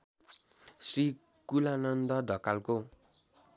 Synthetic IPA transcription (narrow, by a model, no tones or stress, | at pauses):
sri | kulanʌnd̪ʌd̪ʱʌkalko